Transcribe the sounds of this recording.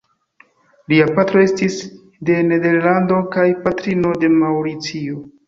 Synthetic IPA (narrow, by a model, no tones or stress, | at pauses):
liapatɾo̞e̞stis | de̞ne̞de̞ɾlando̞kajpatɾino̞de̞mawɾit͡sio